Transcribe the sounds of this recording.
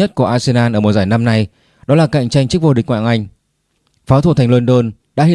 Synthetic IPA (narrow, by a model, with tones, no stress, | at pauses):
ə˦˥t̚ku˧˩əʔaː˧se˧naː˧nʔəː˧˩mo˨t̚zaː˧˩jna˧mna˧j | ɗɔ˨˦laː˨˩ka̰˧˨jŋt͡ɕa˧jŋ̟t͡ɕɨ˦˥k̚vo˧ɗï˨˩k̟ŋwa̰ː˧˨ŋʔa˧jŋ̟ | faː˨˦t̪ʰu˧˩a˨˩ŋ̟lə˧nɗo˧n | ɗa̰ː˧˥ɦi˧˥